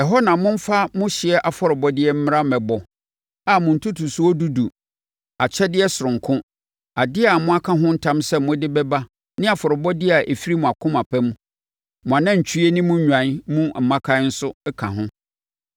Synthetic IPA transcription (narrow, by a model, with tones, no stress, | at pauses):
ɛ˨ɦɔ˦nã˨˦mʊ̃˦m̩˦fa˦mʊ̃˦ɕɪ˨ɛ˦ʔa˨fɔ˦ɾɪ˨bɔ˦dɪ˦ɛ˦m̩˦mɪ̃˦ɾa˦mɛ̃˨bɔ˨ | a˨mʊ̃˨n̩˨tʰu˦tʰu˨su˦ɔ˦du˦du˨ | a˨t͡ɕʰɛ˦dɪ˦ɛ˦sʊ˨ɾʊ̃˨ŋ˨kʰʊ̃˦ | a˨dɪ˦a˨mʊ̃˦a˦kʰã˦ɦʊ̃˦n̩˦tʰã˦msɛ˦˨mʊ̃˦dɪ˦bɛ˦ba˦ | nɪ̃˦a˨fɔ˨ɾɪ˨bɔ˦dɪ˦˨a˨ʔe˨fi˦ɾi˦mʊ̃˨a˨kʰʊ̃˦ma˨pʰɛ˦mũ˦ | mʊ̃˨a˨nã˦ɲ̩˨t͡ɕʰᶣɥe˦nĩ˦mũ˦ɲᶣ˨ã˨n˦mũ˦m̩˨mã˦kʰã˦n̩˦sʊ˦kʰã̰˨ɦʊ̃˦